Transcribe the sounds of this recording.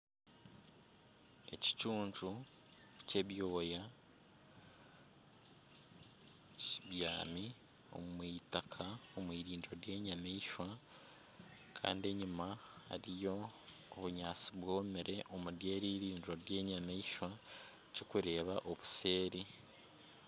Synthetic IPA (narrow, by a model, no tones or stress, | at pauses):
e̞̰ci̥t͡ʃuːɲʒu | ce̞βjo̞ːja | ciβja̰ːmi | o̞̰mumwiːtakʰaomwiːɾiːndɾo̞ɾje̞ːɲameiʃwa | kʰa̰ːndie̞ɲimaha̰ɾijo̞ːβuɲaːt͡siβwo̞ːmeɾe̞ʔomuɾje̞ːɾiːɾiːndiɾo̞ɾje̞ːɲameiʃwa | cokuɾe̞ːβaʔo̞βuse̞ːɾi